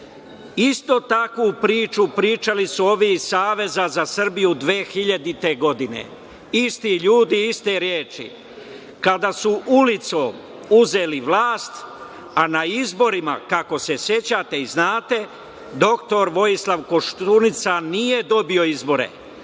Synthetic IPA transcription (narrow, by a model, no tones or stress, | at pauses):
ist̪o̞t̪akupɾiːt͡ʃupɾiːt͡ʃalisuo̞ʋisaːʋe̞zazasr̩bijud̪ʋeːxiʎad̪it̪e̞ɡo̞d̪inḛ | ist̪iʎuːd̪iist̪e̞ɾjeːt͡ʃḭ | kad̪asuʔulit̪so | uze̞liʋlaːst̪ | anaizbo̞ɾima̰kako̞se̞sje̞t͡ɕat̪e̞iznaːt̪e̞ | d̪o̞kt̪o̞ɾʋo̞jislˠaʋko̞ʃt̪unit̪sanije̞d̪o̞bio̞izbo̞ɾḛ